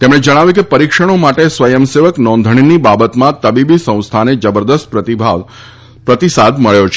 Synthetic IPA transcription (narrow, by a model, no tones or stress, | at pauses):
t̪emɽ̃ed͡ʒəɽ̃aʋjũkepəɾikʃəɽ̃omaʈesʋəjəmseʋəknɔ̃nd̪ʱəɳ̃inibabət̪mãt̪əbibisə̃w̃st̪ʰaned͡ʒəbəɾd̪əst̪pɾət̪ibʱa | pɾət̪isad̪məɭjot͡ʃʰ